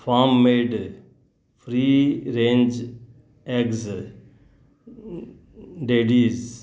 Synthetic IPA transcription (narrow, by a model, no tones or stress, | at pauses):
faːmːeːɖ | fʰɾiːɾẽːnd͡ʒ | ɛkz | ɖeːɖiːz